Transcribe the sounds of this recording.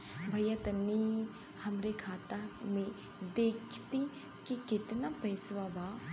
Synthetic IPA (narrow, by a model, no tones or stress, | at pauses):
bʱɐjət̪ənːi | hɐmɾekʰaːt̪amẽ | d̪eːkʰt̪i | kikɪt̪napɐɪsʋaba